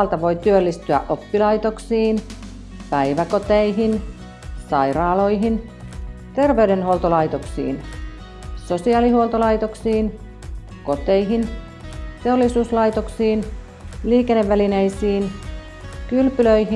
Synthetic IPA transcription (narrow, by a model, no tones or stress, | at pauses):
lt̪ɑʋo̞jt̪yølːist̪yæ̰ʔopːilɑjt̪oksiːn | pæijʋækot̪eiɦin | sɑijrɑːlo̞jɦin | t̪e̞rʋeydenholt̪olɑjt̪oksḭːn | sosiɑːlihuolt̪olɑit̪oksiːn | ko̞t̪eiɦin | t̪eolːisuːslɑjt̪oksiːn | liːkenːeʋːælinejsiːn | kylpyløihi